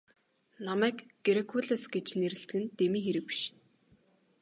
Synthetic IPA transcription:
namæːkɡeɾekʰuɮasɡet͡ɕneɾɘ̆ɬt̪ɘɡɘ̆nt̪emiːŋxeɾɘ̆k̚pi̥ʃ

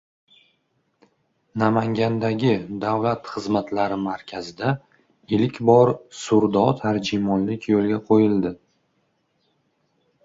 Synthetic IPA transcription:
namaŋɡʲand̪aɡʲɪd̪awlat̪χɨzmat̪ʰlaɾɪmaɾkʲʰazɪd̪a | ɪlɪkʲbɒɾsʊɾd̪ɒt̪ʰaɾd͡ʒimɒnlɪkʲjolˠɡʲaqʰojɪld̪ɪ

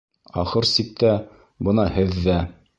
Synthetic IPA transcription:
ɒ̰χɤɾsik̚t̪æ | bɤ̆nɑhɘðːæ

